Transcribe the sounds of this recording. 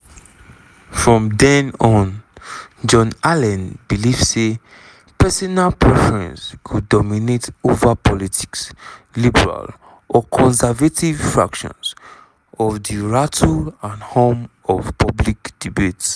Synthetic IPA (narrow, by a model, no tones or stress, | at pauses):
fɹɔ̃mdɛ̃nɔ̃n | d͡ʒɔ̃nalɛ̃nbilivse | pɛsɔnalpʰɹɛfɛɹɛ̰̃nskʰudɔminetovapʰɔlitʰi̥kslibɛɹa̰l | ʔɔkʰɔ̃nsɛvatʰiv̥fɹa̰kʃɔ̰̃nz | ɔvdiɹatʰulãnhõm | ɔv̥pɔblikd̥ibets